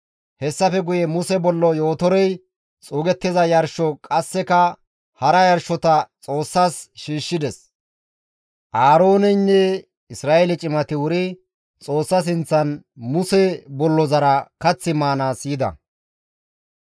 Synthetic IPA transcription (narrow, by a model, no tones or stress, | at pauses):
hɛsːɐfɛɡʊjɛmʊsɛbɔlːɔjo̞ːt̪ɔɾɛj | t͡sʼuːɡɛt̪ːɛzɐjɐɾʃɔkʼɐsːɛkɐ | hɐɾɐjɐɾʃɔt̪ɐt͡sʼoːsːasʃiːʃːɪd̪ɛs | ʔaːɾoːnɛjnːɛ | ɪsɾaːʔelɪt͡ʃʼɪmɐt̪ɪwʊɾɪ | t͡sʼo̞ːsːɐs̬ɪnt͡sːɐnmʊsɛbɔlːɔzɐɾɐkɐt͡sːɪmaːnaːsiːd̪ɐ̰